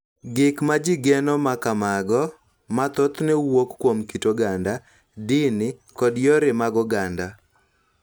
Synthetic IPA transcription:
ɡɪkmad͡ʒɪɡɛnɔmakamaɡɔ | mat̪ɔt̪nɛwokːwomkitoɡanda | dɪnɪkɔdjɔɾɪmaɡɔɡanda

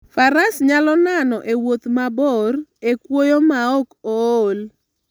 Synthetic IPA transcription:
faɾasɲalɔnanɔʔewot̪mabɔrekwojomaɔkol

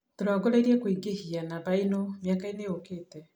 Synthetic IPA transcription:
toɾɔɡoɾeɾiɛkwiŋɡehianaβainomjakaeneokeːtɛ

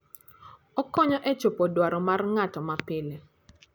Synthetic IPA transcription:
ɔkɔɲɔʔɛt͡ʃopɔdwaɾɔmarŋatɔmapɪle

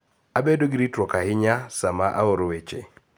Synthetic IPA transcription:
abedoɡiɾitɾɔkahɪɲasamaʔaoɾowet͡ʃḛ

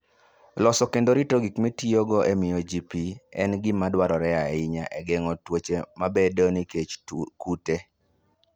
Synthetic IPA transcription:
lɔsɔkendoɾitoɡikmitioɡoʔemɪjod͡ʒipiɛ̰nɡɪmadwaɾɔɾɛaɪɲa̰ʔɛɡɛŋɔtwot͡ʃemabedoniket͡ʃkute

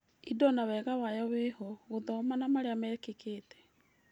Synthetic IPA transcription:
idɔnawɛːɣawajɔweɦɔɣoðɔmanamaɾeamɛːkekeːtɛ̥

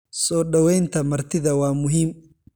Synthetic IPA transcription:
sɔːɖɐwɛjnt̪ʰɐmɐrt̪ʰɪðɐwɑːmʊɦiːm

